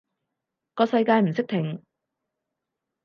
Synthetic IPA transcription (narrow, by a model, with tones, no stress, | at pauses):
kɔː˧sɐ˧jkaː˧jm̩˨˩sɪ˥k̚t̪ʰɪ˨˩ŋ